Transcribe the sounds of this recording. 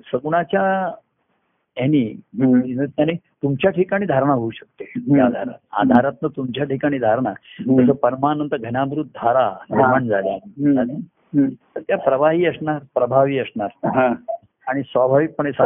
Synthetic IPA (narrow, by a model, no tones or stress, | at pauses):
səɡuɽ̃at͡ɕja | eni | nət̪añi | t̪umt͡ɕjaʈʰikaɽ̃iːd̪ʱaɾɳ̃aɦouɕək̚t̪ejad̪ʱaɾa̰t̪̚a̰d̪ʱaɾat̪nət̪umt͡ɕjaʈʰikaɽ̃id̪ʱaɾɳ̃ad͡zəsəːpəɾmanənt̪əɾɡʱənjabɾut̪̚d̪ʱaɾanməɳd͡zaljaad̪i | t̪əɾt̪japɾəʋaɦiːəsɳaɾpɾəbʱaʋiːəsɳaɾɦa | aɽ̃isʋabʱaʋik̚pəɳ̃esa